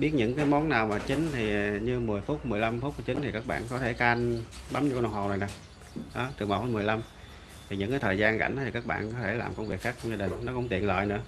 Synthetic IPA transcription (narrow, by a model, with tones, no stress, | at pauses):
ɓi˦˥ət̚ɲɨ̰˧˥ŋkaː˨˦jmɔ˨˦nnːaː˨˩wmaː˨˩t͡ɕï˨˦ŋ̟t̪ʰi˨˩ɲɨ˧mɨ˨˩əjfʊ˦˥t̚mɨ˨˩əjla˧mfu˦˥˧t͡ɕï˨˦t̪ʰi˨˩kaː˦˥k̚ɓa̰ː˧˨nkɔ˨˦t̪ʰe˧˩ka˧nɓa˨˦mɲ˧kːn˨a˨˩whɦwzaː˨˩nza˨˩ŋ | ɗɔ˨˦t̪ɨ˨˩ma˨˩fu˦˥m˨˩əjla˧m | t̪ʰi˨˩ɲɨ̰˧˥ŋkaː˨˦jt̪ʰːjzaː˧nka̰˧˩jŋʔt̪ʰi˨˩kaː˦˥k̚ɓa̰ː˧˨nkɔ˨˦t̪ʰe˧˩la̰ː˨˩mkə˧wŋ͡mvi˨˩əkxaː˦˥k̚t͡ɕɔ˧wŋ͡mzaː˧ɗï˨˩ŋ̟nɔ˨˦kʊ̰˧˥ŋ͡mt̪ḭ˧˨ənlə̰ː˧˨jnɨ̰˧˥ə